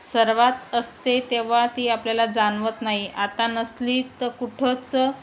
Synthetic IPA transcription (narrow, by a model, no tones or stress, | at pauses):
səɾʋat̪əst̪et̪eʋ̤at̪iːapljalad͡zanʋət̪naɦiʔat̪anəsliːt̪əkuʈʰət͡sə